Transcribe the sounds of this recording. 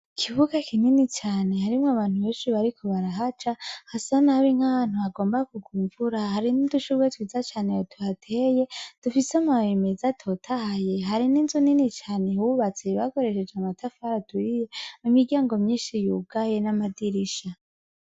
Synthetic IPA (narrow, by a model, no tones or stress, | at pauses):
kʰiβuɡakʰininit͡ʃaːne̞haɾimŋoaβaːn̥huβe̞ːnʃiβaɾikʰo̞βaɾaɦat͡ʃahasanaβiŋ̥haβaːn̥huaɡo̞ːmbakuɡuːɱvuɾahaɾiniduʃuɾwetwiːzat͡ʃaːne̞jotʰuhatʰeje̞d̥ufisamawemezatʰo̞tʰahaje̞ɦaɾininzuninit͡ʃaːne̞huβat͡se̞βako̞ɾe̞ʃe̞d͡ʒamatʰafaɾatuijemumiɾɟaːŋɡo̞mɲiːnʃijuɡaje̞namadiɾiʃa